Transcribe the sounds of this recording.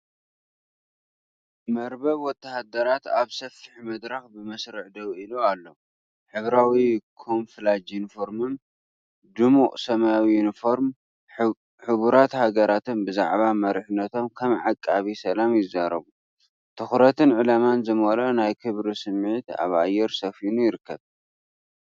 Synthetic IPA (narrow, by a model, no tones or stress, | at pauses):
mɐɾbɐβwɔt̪ʰːahad̪ɐɾat̪aβsɐfiħmɐd̪ɾaxbɨmɐsɾɨʕd̪ɐwilualːo | ħɨβɾawikʰo̞mflad͡ʒunifo̞ɾmɨm | d̪ɨmukʼsɐmawijunifoɾm | ħɨβuɾat̪haɡɐɾat̪ʰɨnbɨza̰ʕβamɐɾħɨnːɐt̪ʰo̞mkʰɐmʕakʼːaβisɐlamjɪzːaɾɐβu | t̪ʰɨxɾɐt̪ʰɨnʕɨlamanzɨmolonajkʰɨβɾisɨmːʕit̪a̰βa̰jːɛɾsɐfinujɪɾɨkːɐβ